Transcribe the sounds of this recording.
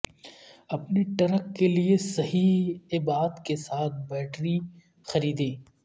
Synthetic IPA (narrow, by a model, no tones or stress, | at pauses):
ɐpniʈɐɾəkːeliesɐɦiɪbaːd̪kesaːt̪̚ʰbɛːʈɾi | xɐɾiːd̪ẽː